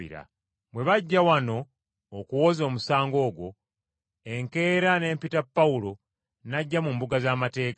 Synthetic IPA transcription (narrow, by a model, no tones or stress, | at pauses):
ḭɾa̰ | mwe̞βaɟːawano̞ː | kuwo̞zo̞ːmusaːŋɡo̞ːɡwo̞ | eŋke̞ːɾane̞ːmpitapːaulo̞ | naɟːamumbuɡazaːmate̞ːka